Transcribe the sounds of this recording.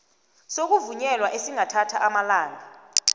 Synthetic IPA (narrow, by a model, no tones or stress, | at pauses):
sok̬uvuɲɛlwaʔesiŋatʰatʰaʔamalaːŋa